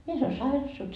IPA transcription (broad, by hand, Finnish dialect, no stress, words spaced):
mies ol sɑirɑs se olʲ